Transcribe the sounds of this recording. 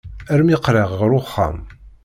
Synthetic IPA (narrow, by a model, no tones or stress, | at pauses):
æɾmiqːɾəʁʁəɾʊχːa̰m